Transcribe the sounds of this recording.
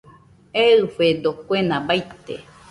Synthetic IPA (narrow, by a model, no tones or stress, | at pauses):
eɨfed̪okʷenãbait̪ḛ